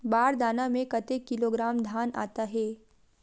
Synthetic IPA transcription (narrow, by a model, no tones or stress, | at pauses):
baːɾd̪aːnamẽkɐt̪ekːɪloɡɾaːmd̪ʱaːna̰ːt̪aɦɛː